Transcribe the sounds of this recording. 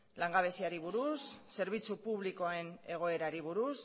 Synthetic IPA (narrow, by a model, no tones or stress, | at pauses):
laŋɡaβ̞e̞siaɾiβuɾusːe̞ɾβ̞it͡supuβliko̞aene̞ɣ̞o̞e̞ɾaɾiβuɾus